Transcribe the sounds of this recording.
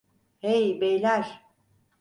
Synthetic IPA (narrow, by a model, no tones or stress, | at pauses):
hejbejlʲæɾ̥